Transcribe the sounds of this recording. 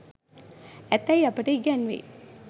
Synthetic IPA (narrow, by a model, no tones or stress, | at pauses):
æt̪ːæjapəʈəiɡænʋḛ